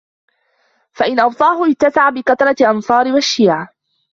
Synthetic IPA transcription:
faʔɪnʔɑwt̪ˤɑːɦʊʔɪt̪ːasaʕabɪkɑt̪ɑɾˤɑʔɑnsˤɑːɾɪwaʃːiːʕa

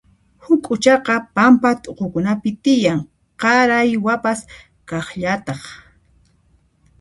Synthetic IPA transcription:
hʊkʼʊt͡ʃɑqɑpampat̪ʼoqokʊnapɪt̪ɪjaŋ | qɑɾajwapas | kɑχʎat̪ɑχ

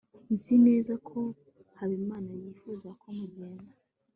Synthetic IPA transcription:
nzine̞ːzakʰo | haβimaːnajiːfuzakʰomuɡɡeːna

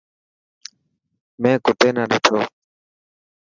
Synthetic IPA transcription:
mẽːkʊʈeːnaːɗeːt̪ʰoː

